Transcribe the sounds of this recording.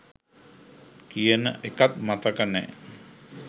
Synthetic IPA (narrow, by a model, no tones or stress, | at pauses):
kijənə̰ʔekat̪̚mat̪əkənɛ̰